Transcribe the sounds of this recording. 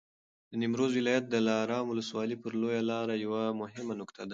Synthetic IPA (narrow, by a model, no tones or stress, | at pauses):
d̪ənimɾozwɪlɑjat̪̚d̪əlɑɾɑmwʊləswɑlipəɾlojalɑɾajawamʊɦɪmanʊkt̪ʰad̪a